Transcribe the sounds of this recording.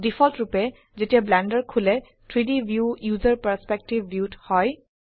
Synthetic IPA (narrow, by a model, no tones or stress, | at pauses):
difʰɔltɹupɛ | zetijablɛndəɹkʰulɛ | tʰɹidibjujuzəɹpəɹspɛk̚tibːjuthɔj